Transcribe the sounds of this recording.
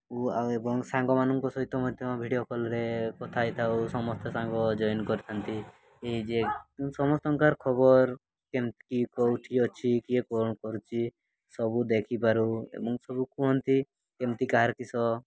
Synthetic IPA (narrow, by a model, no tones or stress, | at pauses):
uaebɔŋsaŋɡɔmanɔŋkɔsɔɦit̪ːɔmɔd̪ʱjɔmɔbʱiɽiɔkʰɔlɔɾekɔt̪ʰajt̪ʰausɔmɔst̪ɔsaŋɡɔd͡ʒɔjɔnkɔɾit̪ʰant̪i | eɦid͡ʒesɔmɔst̪ɔŋkaɾkʰɔbɔɾ | kemt̪kikɔuʈʰiɔt͡ʃʰikiekɔkɔɾut͡ʃʰi | sɔbud̪ekʰipaɾuḛbɔŋsɔbukũɦɔnt̪i | kemt̪ikaɦaɾkisɔ